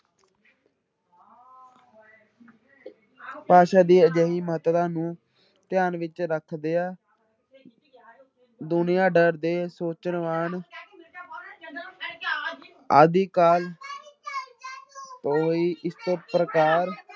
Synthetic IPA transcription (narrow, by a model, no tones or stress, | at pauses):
paːʃaːd̪iːəd͡ʒəːɦiːməɦət̪t̪ãːnũː | t̪ɪjaːnʋɪt͡ʃɾəkʰd̪eːaː | d̪ʊnɪjãːɖəɾd̪eːsoːt͡ʃənʋaːn | a̰ːd̪iːkaːl | t̪oːɦoːiːʔɪst̪õːpɾəkaːɾ